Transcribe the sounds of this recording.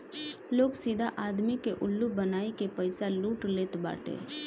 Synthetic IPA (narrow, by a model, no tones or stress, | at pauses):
loːɡsiːd̪ʱaʔaːd̪mikeʔʊlːubənaːikepəɪsaluːʈleːt̪ba̰ːʈḛː